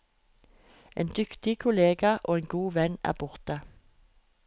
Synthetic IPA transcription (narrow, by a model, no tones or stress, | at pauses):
ʔḛːnd̪ʏkt̪ɪkʰʊleːɡɑʔoːeːŋɡuːʋɛnæ̰ːʁbʊʁt̪ə